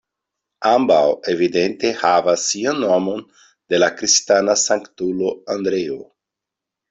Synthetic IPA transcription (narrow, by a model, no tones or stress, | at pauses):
ãmbawevid̪ent̪ehavasianːomon | d̪̥elakɾist̪anasãŋkt̪uloand̪ɾeo